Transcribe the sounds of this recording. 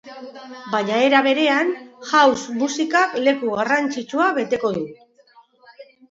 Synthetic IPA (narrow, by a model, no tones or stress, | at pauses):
baɲae̞ɾaβe̞ɾe̞anʝawsmusikakle̞kuɣarant͡ʃit͡ʃuaβe̞t̪e̞ko̞ðu